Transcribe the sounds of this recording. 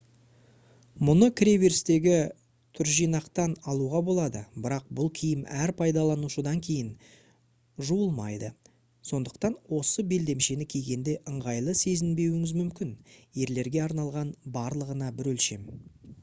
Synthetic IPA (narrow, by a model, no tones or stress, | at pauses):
mʊnəkʲʰɾeveɾst̪e̞ɡʲɪ | t̪ʰʏɾʒijnɑqt̪ɑnɑlˠuʁɑbo̞lˠɑd̪əbɪɾɑq̚bʊlˠkʲʰijɪmæɾpʰɑjd̪ɑlˠɑnuʃəd̪ɑŋkʲʰe̞jɪn | ʒuwəlˠmɑ̰jd̪ə | so̞nd̪əq̚t̪ɑnwo̞səbe̞ld̪e̞mʃe̞nɪkʲʰe̞jɡʲe̞nd̪e̞ʔəɴʁɑjlˠəse̞zɪnbe̞wɪŋɪzmʏmkʲɪnje̞ɾle̞ɾɡʲe̞ɑɾnɑlˠʁɑnbɑɾlˠəʁənɑbɪɾwɵlʃe̞m